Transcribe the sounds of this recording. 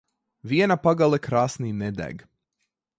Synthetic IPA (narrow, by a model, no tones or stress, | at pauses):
viɛnapaɡalˠɛkɾaːsniːnɛd̪æ̰ɡ